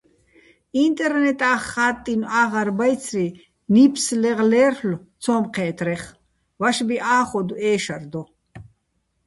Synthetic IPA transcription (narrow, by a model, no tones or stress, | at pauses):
int̪ʼɛɾnɛt̪ʼaːχːaːt̪ʼːinaːʁaɾbajt͡sʰri | nipʰslɛʁlɛːrlt͡sʰɔːmqʰɛːt̪ʰɾɛχ | vaʃbiʔaːχɔd̪uʔɛːʃard̪ɔ